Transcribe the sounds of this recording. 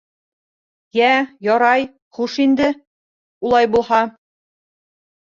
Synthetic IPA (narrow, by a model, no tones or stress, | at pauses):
jæjɒɾɑj | χuʃind̪ɘ | ulˠɑjbulˠhɑ